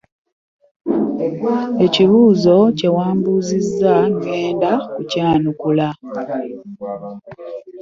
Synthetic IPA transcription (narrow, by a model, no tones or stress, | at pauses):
e̞ciβuːzo̞ce̞waːmbuzizːaŋɡe̞ːndakucaːnukula